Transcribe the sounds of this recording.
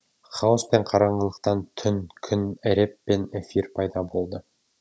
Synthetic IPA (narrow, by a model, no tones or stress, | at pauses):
χɑwəspe̞ɴqʰɑɾɑɴəlˠəqt̪ɑnt̪ʰʏnkʲʰʏnɪɾepːenefirpʰɑjd̪ɑbo̞lˠd̪ə